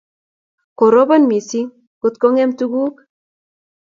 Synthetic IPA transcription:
ko˨ɾo˦ba˦nmi˨si˦ŋ | ku˨t̪̚ko˦ŋe˦mt̪u˦ɡu˦k

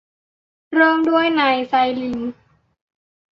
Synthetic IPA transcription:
ɾoː˥˩mdu˥˩əjnaː˧jsa˧jli˨˧˦ŋ

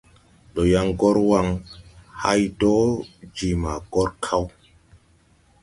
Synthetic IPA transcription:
ɗo˨ja˦ŋɡɔ˦ɾwa˦˨ŋha̰˦jdɔ˦d͡ʒi˨ma˨ɡ̥ɔ˦ɾkʰa˦w

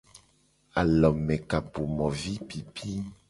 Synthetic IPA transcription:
a̰˨lɔ˨mɛ̃˨ka˨bo˨mɔ̃˨vi˦pi˨pʰi˦

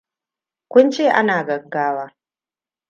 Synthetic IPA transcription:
kʷʊ˦nt͡ʃeː˦˨ʔa˦naː˨ɡɐ˨ɡːaː˦waː˦

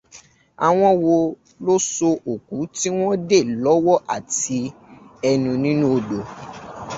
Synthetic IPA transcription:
a̰˨w̃ɔ̃˦wo˧ | lo˦so˧ʔo˨ku˨˦ti˦w̃ɔ̃˦de˦˨lɔ˨˦wɔ˦ʔa˨ti˨˧ɛ˧nũ˧nĩ˦nũ˦o˨do˨

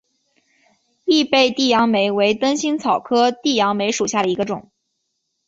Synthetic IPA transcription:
i˥˧pe˥˧ɪt̪i˥˩jɑ˧˥ŋme˧˥ɪwe˧˥ɪt̪ə˥nɕi˥nt͡sʰɑ˨˩ʊkʰɤ˥t̪i˥˩jɑ˧˥ŋme˧˥ɪʂu˨˩ɕja˥˩ɾə˩i˧˥ɡə˧ʈ͡ʂʊ̰˨˩˦ŋ

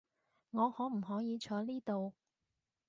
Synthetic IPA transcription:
ŋɔː˨˧hɔː˨˥m̩˨˩ɦɔː˨˥jiː˨˧t͡ʃʰɔː˨˧˥liː˥t̪o˨w

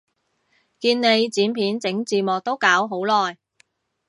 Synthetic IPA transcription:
kiː˧nne˨˧jt͡siː˨˥npʰiː˨˥nt͡sɪ˨˥ŋt͡siː˨˩mɔː˨k̚t̪o˥wkaː˨˥wɦo˨˥wlɔː˨j

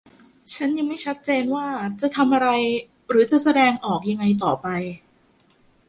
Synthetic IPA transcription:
t͡ɕʰa˦˥nja˧ŋma˥˩jt͡ɕʰa˦˥t̪̚t͡ɕeː˧nwaː˥˩t͡ɕa˨˩ʔt̪ʰa˧mʔa˧ɾa˧j | ɾɯː˩˦t͡ɕa˨˩ʔsa˧dɛː˧ŋʔɔː˨˩k̚ja˧ŋːa˧jt̪ɔː˨˩pa˧j

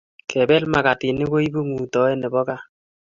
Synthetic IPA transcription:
kɛ˨bɛ˦lma˨ka˨tɪ˨nɪ˦ko˦i˦bu˦ŋu˨tɔ˨˦ɛ˦ne˨bɔ˦ka˦

